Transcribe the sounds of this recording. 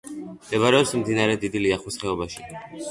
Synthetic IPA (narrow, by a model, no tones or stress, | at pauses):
md̪ɛβaɾɛɔpsmd̪inaɾɛd̪id̪iliaχusχɛɔbaʃi